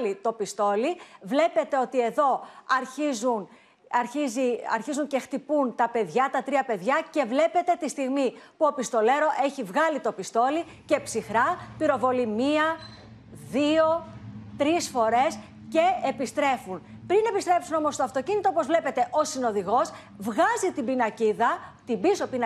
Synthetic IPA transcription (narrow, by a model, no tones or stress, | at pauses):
lit̪o̞pist̪o̞livle̞pe̞t̪e̞o̞t̪ie̞ðo̞ɐɾçizun | ɐɾçiziɐ̰ɾçizuɲcext̪ipunt̪ɐpe̞ðʝɐt̪ɐt̪ɾiɐpe̞ðʝɐce̞vle̞pe̞t̪e̞t̪ist̪iɣmipuo̞pist̪o̞le̞ɾo̞ʔe̞çivɣɐlit̪o̞pist̪o̞li | ce̞psixɾɐpiɾo̞vo̞limiɐ | ðio̞t̪ɾisfo̞ɾe̞s | ce̞epist̪ɾe̞funpɾine̞pist̪ɾe̞psuno̞mo̞st̪oɐft̪o̞cinit̪oopozvle̞pe̞t̪e̞ʔo̞sino̞ðiɣo̞z | vɣɐzit̪ibinɐciðɐt̪ibisopin